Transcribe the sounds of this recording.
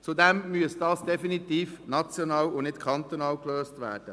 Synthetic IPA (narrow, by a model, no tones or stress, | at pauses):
t͡sudɛmmyəsd̥ɑːsd̥ɛfinit̪iːfnɑt͡sjonɑːwʊnɪtkʰɑnt̪onɑːlkløːstʋæ̰ːɾd̥ə